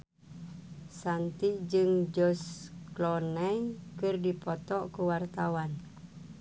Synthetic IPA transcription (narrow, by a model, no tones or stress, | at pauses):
sant̪id͡ʒɨŋd͡ʒɔsklɔnɛjkɨrdipɔt̪ɔʔkuwart̪awan